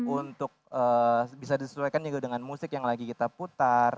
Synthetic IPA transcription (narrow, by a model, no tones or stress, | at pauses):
unt̪ʊk̚əːbisadisə̥suajkand͡ʒuɡadəŋanmusɪkjaŋlaɡikit̪aput̪ar